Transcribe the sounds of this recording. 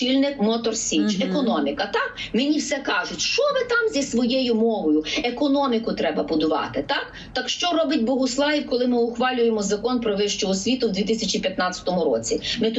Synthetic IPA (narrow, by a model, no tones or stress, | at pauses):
ilʲnɪkmɔt̪ɔrsʲit͡ʃekɔnɔmʲikɐt̪ɑkmenʲiwsɛkɑʒʊtʲʃt͡ʃɔʋɪt̪ɑmzʲisʋɔjejʊmɔʋɔjʊekɔnɔmʲikʊt̪ɾɛbɐbʊd̪ʊʋɑ̰t̪ɪt̪ɑk | t̪ɑkʃt͡ʃɔɾɔbɪtʲbɔɦʊslˠɑʋʲikɔlˠɪmɪʊxʋɑlʲʊjemɔzɐkɔnpɾɔʋɪʃt͡ʃɔɦɔsʲʋʲit̪ʊwd̪ʋʲit̪ɪsʲɐt͡ʃipʲjɐt̪nɑt͡sʲɐ̥t̪ɔmʊɾɔt͡sʲimɪt̪